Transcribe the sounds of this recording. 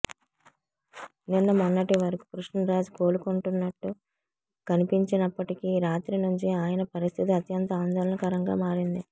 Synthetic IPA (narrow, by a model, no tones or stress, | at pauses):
ninːɐmɔnːɐʈiʋɐɾɐku̥kɾuʂɳɐnɾaːd͡ʒuko̞ːɾukoɳʈunːɐʈːu | kɐnipiɲt͡ʃinɐpːɐʈikiɾaːt̪ɾinuɲt͡ʃiaːjɐnɐpɐɾist̪ʰit̪iɐt̪jɐnt̪ɐaːnd̪ɐɾɐnɐkɐɾɐŋɡa̰ːmaːɾind̪i